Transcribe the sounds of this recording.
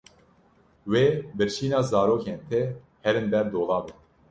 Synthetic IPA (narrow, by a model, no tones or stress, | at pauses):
weːbɨɾt͡ʃiːnɑːzɑːɾoːkeːnt̪ʰe | hɛɾɨnbɛɾd̪oːlɑːbɨ